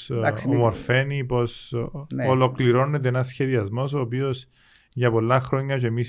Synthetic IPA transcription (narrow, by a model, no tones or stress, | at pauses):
omoɾfe̞nipo̞s | olo̞kliɾo̞net̪̬eenɐsçe̞ðiɐzmo̞s̬oːpio̞s | ʝɐpo̞lːɐxɾo̞ɲːɐt͡ʃeemis